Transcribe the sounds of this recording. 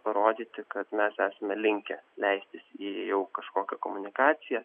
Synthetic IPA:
pɐɾoːd̪ʲiːt̪ʲɪkɐt̪mʲɛsæːsɐmʲɛlʲɪŋʲkʲɛlʲɛɪsʲt̪ʲɪsiːjɛʊkɐʃkoːkʲɛkomʊnʲɪkɑːsʲɪjɛ

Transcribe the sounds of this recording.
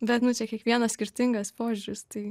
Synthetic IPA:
bʲɛt̪nʊt͡ʃʲɛkʲiɛkʋʲiɛnɐsʲkʲɪɾʲt̪ʲɪŋɡɐspoːʒʲʊɾʲɪst̪ɐɪ

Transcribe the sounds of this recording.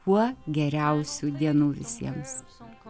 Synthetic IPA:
kuɔɡʲɛɾʲɛʊsʲuːd̪ʲiɛnuːʋʲɪsʲiɛms

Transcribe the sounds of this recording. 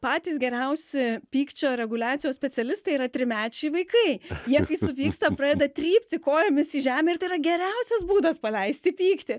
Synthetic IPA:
pɑːt̪ʲiːsɡʲɛɾʲɛʊsʲɪpʲiːkt͡ʃʲoːɾʲɛɡʊlʲæːt̪ʲɪjoːsʲpʲɛt̪sʲɛlʲɪst̪ɐɪiːɾɐt̪ʲɾʲɪmʲæːt͡ʃʲɛɪʋɐɪkɐɪjiɛkɐɪsʊpʲiːkst̪ɐpɾɑːd̪ʲɛd̪ɐt̪ʲɾʲiːpʲt̪ʲɪkoːjɛmʲɪsiːʒʲæːmʲɛɪrt̪ɐɪiːɾɐɡʲɛɾʲɛʊsʲɛsbuːd̪ɐspɐlʲɛɪsʲt̪ʲɪpʲiːkt̪ʲɪ

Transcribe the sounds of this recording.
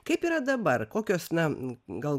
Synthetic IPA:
kɐɪpiːɾɐd̪ɐbɐrkoːkʲoːsnɐɡɐlˠ

